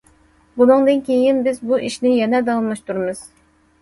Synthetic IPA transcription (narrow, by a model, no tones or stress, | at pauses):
bunɨŋd̪ɨnkʲʰejinbɪzbuʔiʃnɪjɛnɛd̪ɑlmˠɑʃt̪uɾmɨz̥